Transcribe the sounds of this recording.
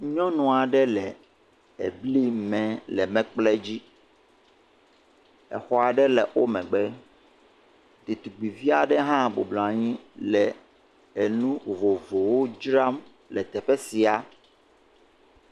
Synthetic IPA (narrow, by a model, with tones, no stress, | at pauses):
ɲɔ̃˦nɔ̃˨a˨ɖɛ˦lɛ˨ | ḛ˨bli˦mɛ̃˨lɛ˨mɛ̃˦k͡plɛ˦d͡ʑi˦ | ɛ̰˨xɔ˦a˨ɖɛ˦lɛ˨ʔwo˦mɛ̃˨ɡ͡bɛ˦ | t̪u˨t̪u˨ɡ͡bi˨vi˦a˨ɖɛ˦ɦã˦bo̰˨blɔ̃˨a˨ɲĩ˦lɛ˨ | e˨nũ˦vo˨vo˨wo˦d͡ʒɾa˦m | lɛ˨t̪ɛ˨ɸɛ˦si˨a˨